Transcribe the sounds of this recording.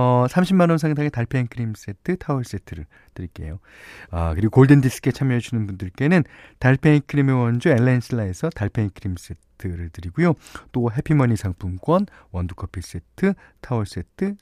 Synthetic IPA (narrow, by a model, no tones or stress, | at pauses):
ʌsʰamɕʰimanʌmsʰaŋdaŋetaɭpʰenkʰɯɾims͈e̞tʰɯtʰauɭs͈e̞tʰɯɾɯ̰ɭ | tɯɾik͈e̞̰jo | ʌ̰kɯɾiɡokoɭdendis͈ʰɯ̥k͈e̞t͡ɕʰamjʌɦed͡ʑunɯnbundɯɭk͈e̞nɯntaɭpʰeinkʰɯɾimewʌnd͡ʑueɭːensʰɯɭːae̞sʰʌtaɭpʰeinkʰɯɾims͈e̞tʰɯɾɯɭtɯɾiɡujot͈oɦe̞pʰimʌɲisʰaŋpʰumɡwʌn | wʌndukʰʌpʰis͈e̞tʰɯ | tʰauɭs͈e̞tʰɯ